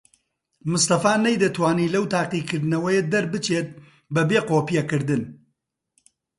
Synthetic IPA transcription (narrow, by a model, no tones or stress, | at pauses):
mʊst̪ɐfaːnɐjd̪ɐt̪waːniːlɐwt̪ʰaːqiːkɨɾd̪ɨnɐwɐjed̪ɐɾbɨt͡ʃeːt̪̚ | bɐbeːqoːpijɐkɨɾd̪ɨn